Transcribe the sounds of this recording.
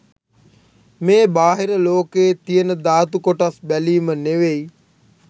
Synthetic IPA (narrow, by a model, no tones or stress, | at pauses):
meːbaːɦeɾəloːkeːt̪ijənəd̪aːt̪ukoʈasbɛliːməneʋei